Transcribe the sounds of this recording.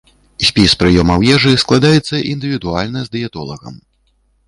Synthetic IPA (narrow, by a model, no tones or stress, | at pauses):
sʲpʲispɾɨjɔmɐwjɛʐɨsklˠad̪ajɛt̪sːɐʔind̪ɨvʲid̪ualʲnɐzd̪ɨjɛt̪ɔ̰lˠɐ̰ɣɐ̰m